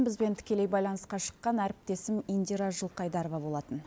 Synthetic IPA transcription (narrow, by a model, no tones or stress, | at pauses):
bɪzbe̞nt̪ʰɪ̥kʲelejbɑjlˠɑnəsqɑʃə̥qːɑnæɾɪp̚t̪e̞sɪmind̪iɾɑʒəlˠqɑjd̪ɑɾovɑbo̞lˠɑt̪ən